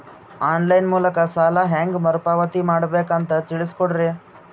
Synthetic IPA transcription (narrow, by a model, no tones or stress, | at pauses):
aːnlɐjnmuːlɐkɐsaːlaɦeːŋɡmɐɾpaːʋɐt̪imaːɽbeːkɐnt̪ɐt̪iɭiskoɽɾe